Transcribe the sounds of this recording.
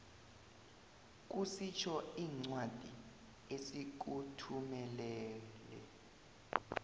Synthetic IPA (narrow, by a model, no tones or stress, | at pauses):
k̬ʼusit͡ʃʰɔiːŋ͡ǀwad̥ʱi | esik̬utʰumɛlɛːlɛ̰